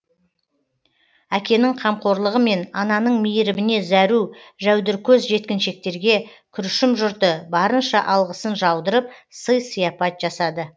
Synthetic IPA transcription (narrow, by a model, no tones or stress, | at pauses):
ækʲe̞nɪŋqʰɑmqo̞ɾlˠəʁəme̞nɑnɑnəɴmijɪɾɪbɪne̞zæɾuʒæwd̪ɪɾkʲʰɵzʒe̞t̪̚kʲɪnʃe̞k̚t̪e̞ɾɡʲe̞kʲʰʏɾɪʃɪmʒʊɾt̪əbɑɾənʃɑʔɑlˠʁəsənʒɑwd̪əɾəp̚səjsijɑpɑt̪̚ʒ̥ɑsɑd̪ə